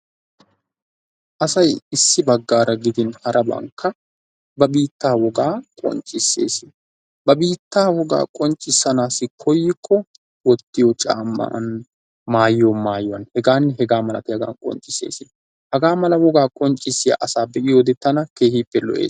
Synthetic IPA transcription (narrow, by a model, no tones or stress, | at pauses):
ʔɐsɐjɪsːɪbɐɡːaːɾɐɡɪd̪ɪnhɐɾʔɐbɐ̰ŋkʰːɐ | bɐbiːt̪ːaːwɔɡaːkʼɔ̰nt͡ʃʼːɪsːe̞̰ːsɪ | bɐbiːt̪ːaːwɔɡa̰ːkʼɔnt͡ʃʼːɪsːɐnaːsɪkʰɔjːɪkʰːɔ | wɔt̪ːɪjɔt͡ʃʼa̰ːmːɐ̰ʔn | maːjjomaːjʊwɐnhɛɡaːnːɦɛɡaːmɐlɐ̰t̪ɛhɐɡa̰ːnkʼɔ̰nt͡ʃʼːɪsḛːsɪ | hɐɡaːmɐlɐwɔɡaːkʼɔnt͡ʃʼːɪsːɪja̰ʔɐsaːbɛʔɪjoːd̪ɛt̪ːɐnɐke̞ːhiːpːɛlɔ̰ʔḛːs